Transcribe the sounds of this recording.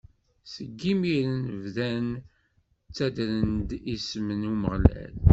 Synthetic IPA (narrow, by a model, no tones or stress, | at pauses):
səɡːimiɾənvðæn | t͡sːæd̪ɾənd̪ismənuməʁlæ̰l